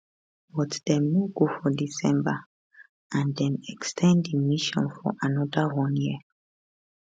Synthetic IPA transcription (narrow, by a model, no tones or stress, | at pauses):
bɔtdɛ̃muɡofɔdisɛ̃mba | ʔãndɛ̃mɛkstʰɛ̃ndimiʃɔ̰̃nfɔ̰ʔanɔdəwɔ̃njiə